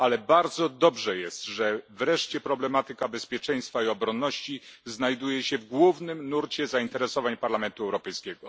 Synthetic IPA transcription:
alɛbaɾd̪zɔd̪ɔbʐɛjɛst̪ʐɛvɾɛʂt͡ɕɛpɾɔblɛmat̪ɘkabɛspʲjɛt͡ʂɛj̃st̪faiɔbɾɔnːɔɕt͡ɕiznajd̪ujɛɕɛvɡwuvnɘmnuɾt͡ɕɛzaint̪ɛɾɛsɔvaɲpaɾlamɛnt̪uɛwɾɔpɛjskʲɛɡɔ

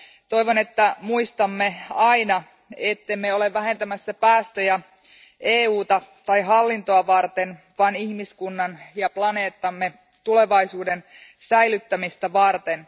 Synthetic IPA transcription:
t̪o̞iʋone̞t̪ːæmuist̪ɑmːeɑinɑ | et̪ːe̞mːeo̞le̞ʋʋæɦe̞nt̪æmæsːæpæːst̪øjæ | eːuːt̪ɑt̪ɑjɦɑlːint̪oɑʋɑrt̪en | ʋɑnihmiskunːɑnjɑplɑne̞ːt̪ːɑmːe̞ | t̪ule̞ʋɑisuːden | sæjlyt̪ːæmist̪æʋɑrt̪en

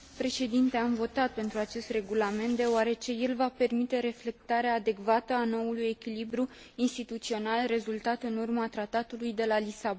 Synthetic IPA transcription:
pɾe̞ʃe̞d̪int̪e̞amvo̞t̪at̪̚pe̞nt̪ɾuat͡ʃe̞st̪re̞ɡulame̞nt̪d̪e̞oaɾe̞t͡ʃe̞je̞lvape̞rmit̪e̞ɾe̞fle̞k̚t̪aɾeaːd̪e̞kvat̪əano̞uluje̞kʲilibɾu | inst̪it̪ut̪sio̞nalre̞zult̪at̪ɨnurmat̪ɾat̪at̪ulujd̪e̞lalisabo

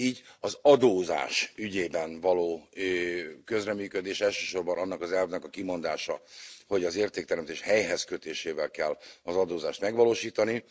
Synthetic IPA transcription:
iːɟɒzɒd̪oːza̰ːʃyɟeːbɛnvɒloːøkø̞zrɛmyːkød̪eːʃɛlʃø̥ːʃo̞rbɒnɒnːɒkɒzɛlvnɛkɒkimo̞nd̪aːʃɒho̞ɟɒzeːrt̪eːk̚t̪ɛɾɛmt̪eːʃhɛjɦɛzkøt̪eːʃeːvɛlkɛlːɒzɒd̪oːzaːʃt̪mɛɡʋɒloːʃiːt̪ɒni

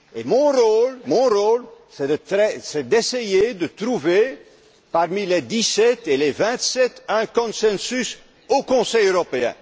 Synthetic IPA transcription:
emɔ̃ʁolmɔ̃ʁolsɛd̪əɛsɛd̪esejed̪ət̪ʁuve | paʁmiled̪isɛt̪elevɛ̃t̪sɛt̪ɛ̃kɔ̃sɛ̃nsys | okɔ̃sɛjøʁɔpeɛ̰̃

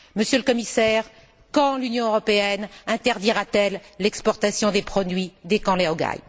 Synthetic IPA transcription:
məsjøləkɔmisɛʁ | kɑ̃lynjɔ̃øʁɔpeɛnɛ̃t̪ɛʁd̪iʁat̪ɛlːɛkspɔʁt̪asjɔ̃d̪epχɔd̪ɥid̪ekɑ̃leɔɡa̰j

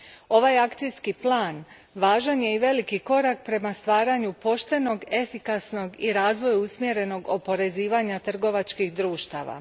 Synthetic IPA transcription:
o̞ʋajakt̪sijskiplˠaːn | ʋaːʒanje̞iʋe̞likiko̞ɾak̚pɾe̞mast̪ʋaːɾaɲupo̞ʃt̪e̞no̞ɡe̞fikasno̞ɡiɾaːzʋo̞juusmje̞ɾe̞no̞ɡo̞po̞ɾe̞ziːʋaɲat̪r̩ɡo̞ʋat͡ʃkixd̪ɾuːʃt̪a̰ːʋa̰

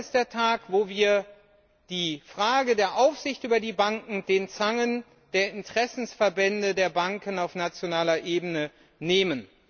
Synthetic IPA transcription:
std̥eːɐtʰaːkvoːviːɐ | d̥iːfʁ̥aːɡədeːɐʔaʊfz̥ɪçtʔyːbɐdiːbaŋkŋ̩deːnt͡saŋən | d̥eːɐɪntəʁ̥ɛsn̩sfɛɐbɛndədeːɐbaŋkənaʊfnat͡sjonaːlɐʔeːbənə | neːmən

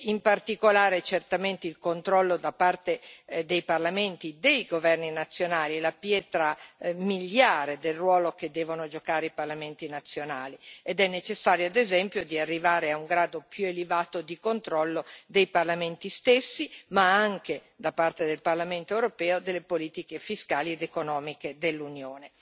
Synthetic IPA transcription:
impart̪ikolaːɾet͡ʃert̪ament̪eilkont̪ɾɔlːod̪apart̪ed̪ejparlament̪id̪ejɡovɛrninat̪sːjonaːlilapjɛːt̪ɾamiljaːɾed̪elrwɔːloked̪ːɛːvonod͡ʒokaːɾeiparlament̪inat̪sːjonaːlied̪ɛnːet͡ʃesːaːɾjoad̪ezɛmpjod̪iarːivaːɾeauŋɡɾaːd̪opjuelevaːt̪od̪ikont̪ɾɔlːod̪ejparlament̪ist̪esːimaaŋke | d̪apːart̪ed̪elparlament̪oewɾopɛːod̪elːepoliːt̪ikefiskaːlied̪ekonɔːmiked̪elːunjoːne

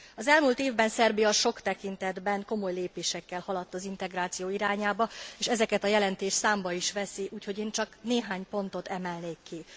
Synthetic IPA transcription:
ɒzɛlmuːlt̪eːvbɛnsɛrbijɒʃo̞kt̪ɛkint̪ɛd̪bɛŋko̞mo̞jleːpeːʃɛkːɛlhɒlɒt̪ːɒzin̪t̪ɛɡraːt̪sijoːiɾaːɲaːbɒeːʃɛzɛkɛt̪ɒjɛlɛnt̪eːʃsaːmbɒiʃʋɛsiʔuːcho̞ɟeːnt͡ʃɒkneːɦaːɲpo̞nt̪o̞t̪ɛmɛlneːkːi

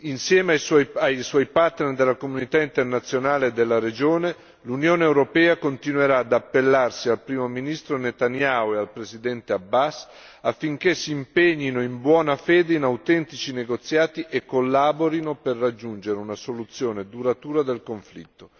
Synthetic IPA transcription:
insjɛːmeajswɔjajswɔjpart̪nerd̪elːakomunit̪aint̪ernat̪sːjonaːled̪elːaɾed͡ʒoːne | lunjoːneːwɾopɛːakont̪inweɾaːd̪apːelːarsialpɾiːmominist̪ɾonet̪anjaːoealpɾesid̪ɛnt̪eabːas | afːiŋk̟esːiːmpeɲːinoimbwɔːnafɛːd̪einawt̪ɛnt̪it͡ʃineɡot̪sːjaːt̪iʔekːolːaːboɾinoperːad͡ʒːund͡ʒeɾeunasolut̪sːjoːned̪uɾat̪uːɾad̪elkoɱflḭt̪ːo

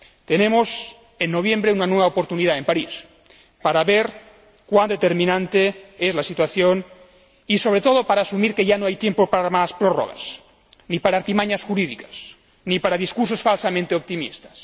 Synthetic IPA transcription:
t̪enemos | enːoβ̞jembɾeunanweβaopoɾt̪uniðaempaɾis | paɾaβeɾ | kwand̪et̪eɾmĩnãnt̪eezlasit̪waθjon | iso̞β̞ɾet̪oð̞opaɾaːsumiɾkeʝanoajt̪jempopaɾamaspɾoro̰ɣ̞a̰s | nipaɾaɾt̪imaɲasxuɾiðikas | nipaɾaðiskuɾsosfalsamẽnt̪eop̚t̪imḭst̪ḁs

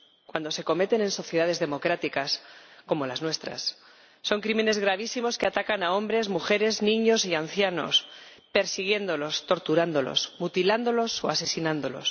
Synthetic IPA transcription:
kwand̪o̞se̞ko̞me̞t̪e̞ne̞nso̞θje̞ð̞að̞e̞zðe̞mo̞kɾat̪ikasko̞mo̞laznwe̞st̪ɾa̰sː | o̞ŋkɾime̞ne̞zɣ̞ɾaβ̞isimo̞ske̞at̪akanao̞mbɾe̞zmuxe̞ɾe̞znĩɲo̞sian̟θjano̞̰s | pe̞ɾsiɣje̞nd̪o̞lo̞st̪o̞ɾt̪uɾand̪o̞lo̰smut̪iland̪o̞lo̞so̞ase̞sinãnd̪o̞lo̞̰s

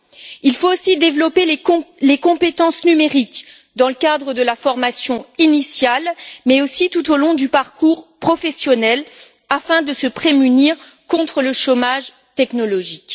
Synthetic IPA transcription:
ilfoːsid̪evlɔpelẽlekɔ̃pet̪ɑ̃snymeʁik | d̪ɑ̃ləkad̪ʁəd̪əlafɔʁmasjɔ̃inisjalmɛosit̪ut̪olɔ̃d̪ypaʁkuʁpχɔfɛsjɔnɛl | afɛ̃d̪əsəpχemyniʁ | kɔ̃t̪χələʃomaʒ | t̪ɛknɔlɔʒik

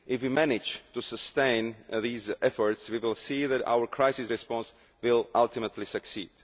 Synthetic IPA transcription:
ʔɪfwimænɪd͡ʒt̪usəst̪ẽɪ̃nðiːzʔɛfɔɹtswiwɪlˠsiːðæta̰wə˞kʰɹaɪsɪsɹɛspɔ̃ns | wɪlˠʔalˠt̪ɪmət̪ʰlisɨksiːd̥

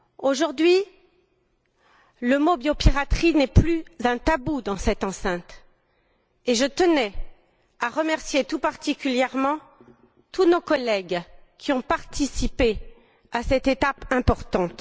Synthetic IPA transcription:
oʒuʁd̪ɥi | ləmobjopiʁat̪χinɛplyzɛ̃t̪abud̪ɑ̃sɛt̪ɑ̃sɛ̃t̪ | eʒət̪ənɛ | aʁəmɛʁsjet̪upaʁt̪ikʲyljɛʁmɑ̃ | t̪unokɔlɛɡkʲʰiɔ̃paʁt̪ʰisipe | asɛt̪et̪apɛ̃pɔʁt̪ɑ̃t̪

